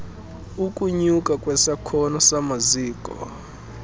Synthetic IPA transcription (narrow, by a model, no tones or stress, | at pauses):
ukʼuɲukʼakʼwɛsakʰɔnɔsamaziːkʼɔ̰